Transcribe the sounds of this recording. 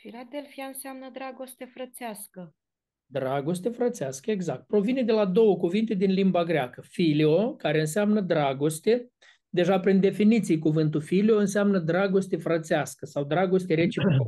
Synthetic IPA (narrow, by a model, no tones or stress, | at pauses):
filad̪elfijaɨnseamnəd̪ɾaɡost̪efɾət̪seaskə | d̪ɾaɡo̞st̪e̞fɾət̪seaskəe̞ɡzak̚t̪̚pɾo̞vine̞d̪e̞lad̪o̞wəkuvint̪e̞d̪inlimbaɡɾeakəfileo̞kaɾe̞ɨnsamnəd̪ɾaɡo̞st̪e̞ | d̪e̞ʒapɾind̪e̞finit̪sijkuvɨnt̪ulfilio̞ɨnseamnəd̪ɾaɡo̞st̪e̞fɾət̪seaskəsawd̪ɾaɡo̞st̪eɾe̞t͡ʃipiko